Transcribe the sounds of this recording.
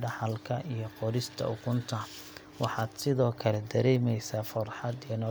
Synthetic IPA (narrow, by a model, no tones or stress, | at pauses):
ɖɑħɑlkʰɐʔijɞqɔɾɪst̪ʰɐ̰ʊkʰʊnt̪ʰɐ | wɑħɑːd̪̥sɪðɔːkʰɐlɛd̪ɐɾɛːmɛjsaːfʊrħɑd̪iɛnɔ